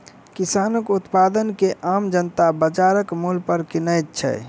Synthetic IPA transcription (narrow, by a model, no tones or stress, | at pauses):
kisaːnəkut̪pad̪ənkeʔaːmd͡ʒənt̪abəd͡ʒaɾəkmulpəɾkinəjt̪̚t͡ʃʰɛ̰